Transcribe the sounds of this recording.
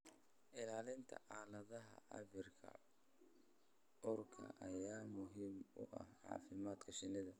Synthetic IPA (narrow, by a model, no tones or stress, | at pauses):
ʔɪlaːlɪnt̪ʰɐ̰ʕaːlɐðɐɦɐ̰ʔɐ̰βɪrkʰɐ̰ | ɔrkʰɐ̰ʔɐjaːmʊɦiːmʊ̰ʔɐ̰hʕɑ̰ːfɪmaːd̪kʰɐʃɪnɪðɐ